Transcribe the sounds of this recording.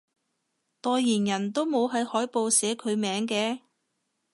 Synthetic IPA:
t̪ɔː˧jːiː˨˩njɐ˨˩nt̪o˥wmo˨˧wɦɐ˨˧jhɔː˨˥jpo˨wsɛː˨˥kʰɵ˨˧ɥmɛː˨˧˥ŋkɛː˧

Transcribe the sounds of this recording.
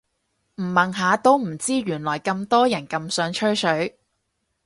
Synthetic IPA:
m̩˨˩mɐ˨ŋɦaː˨˧t̪o˥wm̩˨˩t͡siː˥ɥyː˨˩nlɔː˨˩jkɐ˧mt̪ɔː˥jɐ˨˩nkɐ˧msœː˨˥ŋt͡ʃʰɵ˥ɥsɵ˨˥ɥ

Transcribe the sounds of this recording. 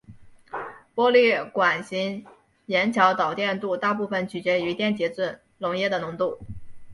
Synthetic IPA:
pwɔ˥li˥˩kwa˨˩nɕi˧˥n | jɛ˧˥nt͡ɕʰjɑ˧˥ʊt̪ɑ˨˩ʊt̪jɛ˥˧nt̪u˥˧t̪a˥˧pu˥˩fə˩nt͡ɕʰy˨˩t͡ɕɥɛ˧˥y˧˥t̪jɛ˥˩nt͡ɕjɛ˧˥t͡swə˥˩n | lʊ˧˥ŋjɛ˥˩d̪ə˩nʊ˧˥ŋt̪u˥˩

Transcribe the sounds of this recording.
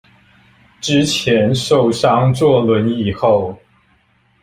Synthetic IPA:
ʈ͡ʂɻ̩˥t͡ɕʰjɛ˧˦˥nʂo˥˩ʊʂɑ˥ŋt͡swɔ˥˩lwə˧˥ni˨˩xo˥˩ʊ

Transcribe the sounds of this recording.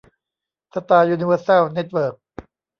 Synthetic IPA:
sa˧t̪aː˧juː˧ni˧wəː˧sa˥˩wne˦˥t̪̚wɤː˨˩k̚

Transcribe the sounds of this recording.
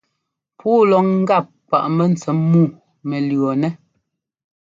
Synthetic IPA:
pʰuː˦lɔ˨˦ŋŋ̩˦ɡa˦˨p̚k͡pa˨ʔmɛ˨n̩˨t͡sɛ˨mːuː˦˨ | mɛ˨lɰɔ˨nɛ˦

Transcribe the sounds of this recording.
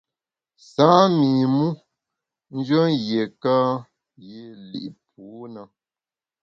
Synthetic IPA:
saː˨˦mi˨mu˦ | n̩˦d͡ʒə˦nɣje˨ka˦ | je˦lḭ˨ʔp̚ʰuː˨˦nə˨

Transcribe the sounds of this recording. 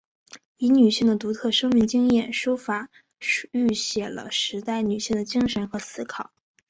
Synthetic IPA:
i˧˥ny˨˩ɕi˥˩ŋd̪ə˩t̪u˧˥t̪ʰɤ˥˩ʂɤ˥ŋmi˧˥ŋt͡ɕi˥ŋjɛ˥˩nʂu˥fa˨˩ | y˥˩ɕjɛ˨˩lə̰˧ʂɻ̩˧˥t̪a˥˩ɪny˨˩ɕi˥˩ŋd̪ə˩t͡ɕi˥ŋʂə˧˥nxɤ˧˥sɹ̩˥kʰɑ˨˩˦

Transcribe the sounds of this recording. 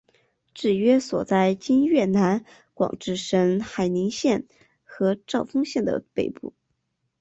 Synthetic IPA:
ʈ͡ʂɻ̩˥˩ɥɛ˥swɔ˨˩t͡sa˥˩ɪt͡ɕi˥nɥɛ˥˩na˧˥n | kwɑ̰˨˩ŋʈ͡ʂɻ̩˥˩ʂə˧˥nxa˨˩ɪni˧˥ŋɕjɛ˥˩n | xɤ˧˥ʈ͡ʂɑ˥˩ʊfɤ˥ŋɕjɛ˥˩nd̪ə̰˩pe˨˩ɪpu˥˩

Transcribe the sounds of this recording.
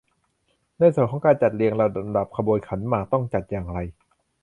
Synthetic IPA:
na˧˨jskʰɔ˨˦ŋkaː˧nt͡ɕa˨˩t̪̚li˧əŋlɛ˧˩˧da˨˩p̚kʰa˧boː˧jkʰa˩˦nmaː˨˩k̚t̪ɔ˥˩ŋt͡ɕa˨˩t̪̚jaː˨˩ŋɾa˧j

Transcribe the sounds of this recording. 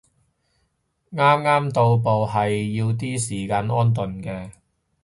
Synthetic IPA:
ŋaː˥mŋaː˥mt̪o˧wpo˨wɦɐ˨jːiː˧wt̪̬iː˥siː˨˩kaː˧nɔː˥nt̪̬ɵ˨nkɛː˧

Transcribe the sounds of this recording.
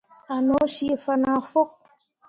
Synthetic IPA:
a˨nɔ˨˦ʃi˦˨fa˦na˨fo˦k̚

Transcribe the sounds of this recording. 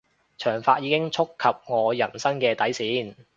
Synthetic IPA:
t͡ʃʰœː˨˩ŋfaː˧t̚jiː˨˧˥kɪ˥ŋt͡ʃʰʊ˥kʰːɐ˨p̚ŋɔː˨˧jɐ˨˩nsɐ˥ŋkɛː˧t̪ɐ˨˥jsiː˨˥n

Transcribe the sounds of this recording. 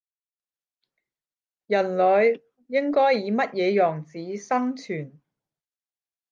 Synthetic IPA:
jɐ˨˩nlɵ˨˧ɥ | jɪ˥ŋkɔː˥jːiː˨˧mɐ˥t̚jɛː˨˧jɔː˨˩ŋt͡siː˨˧˥sɐ˥ŋt͡sʰyː˨˩n

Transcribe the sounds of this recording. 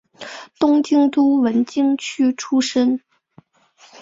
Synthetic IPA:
t̪ʊ˥ŋt͡ɕi˥ŋt̪u˥wə˧˥nt͡ɕi˥ŋt͡ɕʰy˥ʈ͡ʂʰu˥ʂə˥n

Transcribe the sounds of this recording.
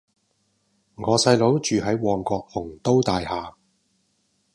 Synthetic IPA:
ŋɔː˨˧sɐ˧jlo˨˧˥wt͡ʃyː˨ɦɐ˨˥jwɔː˨ŋkɔː˧k̚fʊ˨˩ŋt̪o˥wt̪aː˨jhaː˨

